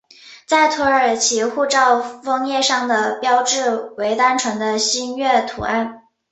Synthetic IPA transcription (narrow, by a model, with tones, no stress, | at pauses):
t͡sa˥˩ɪt̪ʰɔ˧˥ə˞˨˩t͡ɕʰi˧˥xu˥˧ʈ͡ʂɑ˥˩ʊfɤ˥ŋjɛ˥˧ʂɑ˥˩ŋd̪ə˩pjɑ˥ʊʈ͡ʂɻ̩˥˩we˧˥ɪt̪a˥nʈ͡ʂʰə˧˥ŋd̪ə˧ɕi˥nɥɛ˥˩t̪ʰṵ˨˩˦a˥˩n